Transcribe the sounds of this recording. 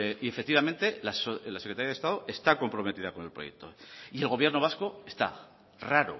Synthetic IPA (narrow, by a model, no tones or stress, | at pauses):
ie̞fekt̪iβamẽ̞nt̪e̞lasolasekɾet̪aɾjaðest̪að̞oʔe̞st̪ako̞mpɾo̞me̞t̪iðako̞ne̞lpɾo̞je̞k̚t̪o̞ie̞lɣ̞o̞β̞jeɾno̞β̞asko̞est̪a̰ | raɾo̰